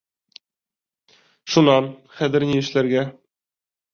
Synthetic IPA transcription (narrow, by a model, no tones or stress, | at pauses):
ʃunɑnχæðɘ̆ɾnijɘ̆ʃlæɾɡæ